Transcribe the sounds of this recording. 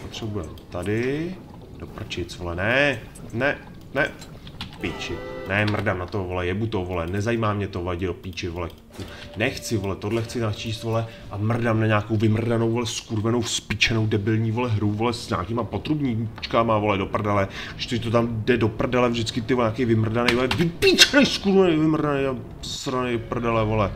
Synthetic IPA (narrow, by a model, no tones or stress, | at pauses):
pot̪r̝̥ɛbujɛmt̪adɪ | d̥opr̩t͡ʃɪt͡svolɛnɛnɛ | nɛ | piːt͡ʃɪnɛmr̩damnat̪ovolɛjɛbut̪ovolɛnɛzajiːmaːmɲɛt̪ovolɛɟɪdopit͡ʃɪvolɛ | kunɛxt͡sɪvo̞lɛt̪odlɛxt͡sɪnat͡ʃiːst̪volɛ | ʔamr̩damnaɲaːkowvɪmr̩danowvolɛskuɾvɛno̞wspɪt͡ʃɛnowdɛbɪlɲiːvolɛɦɾuvolɛsɲa̰ːkiːmapot̪ɾubɲiːmu̥t͡ʃkamavo̞lɛdopr̩dalɛ | ɡɪʃt̪ɛt̪ot̪amdɛdo̞pr̩dalɛvʒdɪt͡skɪt̪ɪɲaːkɛjvɪmr̩danɛjvolɛvɪpiːt͡ʃɛnɛjskuɾvɛnɛjvɪmr̩danɛja | sɾanɛpr̩dalɛvolɛ